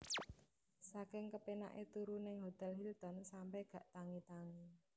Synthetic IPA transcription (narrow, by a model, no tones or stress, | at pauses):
sakɪŋkəpena̰ʔet̪uɾunɪŋɦot̪ɛlɦilt̪ɔnsampɛhɡ̥a̤ʔt̪aŋit̪aŋi